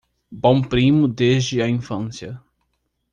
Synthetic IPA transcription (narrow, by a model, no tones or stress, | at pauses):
bõw̃pɾĩmʊd̪ezd͡ʒɪɐĩfɐ̃sjɐ